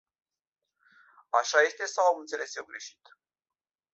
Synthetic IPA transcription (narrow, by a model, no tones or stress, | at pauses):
aʃaje̞st̪e̞sawɨnt̪se̞le̞sewɡɾe̞ʃi̥t̪